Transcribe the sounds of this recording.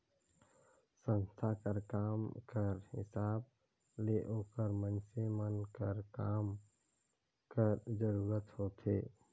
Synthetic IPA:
sə̃nst̪ʰakəɾkaːmkəɾhɪ̰saːb̚ | leʔoːkəɾmənsemənkəɾkaːm | kəɾd͡ʒəɾuːɾət̪hoːt̪ʰeː

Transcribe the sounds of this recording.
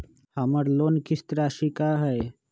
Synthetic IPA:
haməɾloːnkɪst̪ɾaːʃikaɦɛj

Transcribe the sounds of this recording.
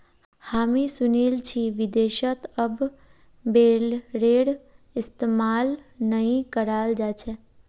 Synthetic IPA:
haːmisʊneːlt͡ʃʰiʋɪd̪eːʃət̪əb | beːlɾeːɽ | ɪst̪emaːlnəĩkəɾaːld͡ʒaːt͡ʃʰɛː

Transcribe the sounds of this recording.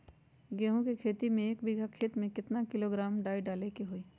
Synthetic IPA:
ɡeːɦũkikʰeːt̪imẽeːkbɪɡʱakʰeːt̪mẽkɪt̪nakɪloɡɾaːmɖaːiɖaːlekiɦoiː

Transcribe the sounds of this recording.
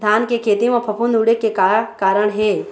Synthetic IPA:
d̪ʱaːnkekʰeːt̪imẽpʰɐpʰʊnd̪uɽekːekakaːɾəɽ̃ɦeː

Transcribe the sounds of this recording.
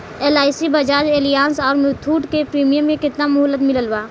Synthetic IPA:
eːlaːɪsibəd͡ʒaːd͡ʒeːlijaːnsɔːɾmut̪ʰuːʈkepɾiːmijəmːẽkɪt̪namʊɦlːət̪mɪləlbaː

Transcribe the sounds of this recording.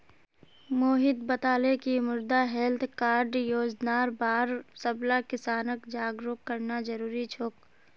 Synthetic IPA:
moːɦɪd̪bət̪aːlekimʊɾd̪aɦɛlt̪ʰkaːɾɖjoːd͡ʒnaːɾbaːɾsəblakɪsaːnəkd͡ʒaːɡɾoːkːəɾnad͡ʒəɾuːɾit͡ʃʰoːk

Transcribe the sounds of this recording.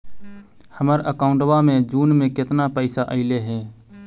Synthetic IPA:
həməɾəkaːʊɳʈʋamẽd͡ʒuːnmẽkɪt̪napəɪsaʔəɪleɦɛː

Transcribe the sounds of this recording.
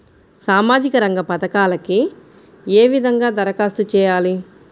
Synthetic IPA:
saːmaːd͡ʒikɐɾɐŋɡɐpɐt̪ɐkaːlɐki | eːʋid̪ʱɐŋɡaːd̪ɐɾɐkaːst̪ut͡ʃɛːjaːli

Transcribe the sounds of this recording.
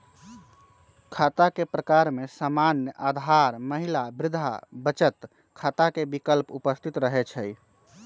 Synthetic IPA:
kʰat̪akepɾəkaɾmesamanjəʔad̪ʱaɾməɦilabɾɪd̪ʱabət͡ʃət̪ | kʰat̪akebikəlpupəst̪ʰit̪ɾəɦɛt͡ʃʰəj

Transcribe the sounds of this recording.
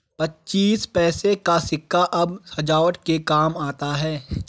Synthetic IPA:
pɐtːt͡ʃiːspɛːsekasɪkʰːaʔɐbhɐd͡ʒaːəʈkekaːmaːt̪aɦɛː

